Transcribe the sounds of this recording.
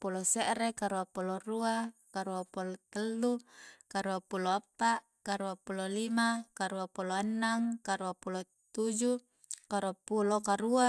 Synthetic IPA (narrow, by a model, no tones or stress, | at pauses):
puloseʔɾekaɾuapuloruakaɾuapulot̪əlːukaɾuapuloapːaʔ | kaɾuapulolimakaɾuapuloanːaŋkaɾuapulo | t̪ud͡ʒu | kaɾuapulokaɾua